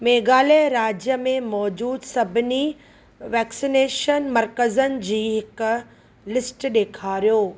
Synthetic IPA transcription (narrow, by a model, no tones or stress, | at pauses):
meːɡaːleɾaːd͡ʑjəmẽmɔːd͡ʑuːd̪sɐbʱɪni | ʋɛːksineːʃənmɐɾkəzənɪ̆d͡ʑiːɦɪk | lɪsʈɗeːkʰaːɾijoː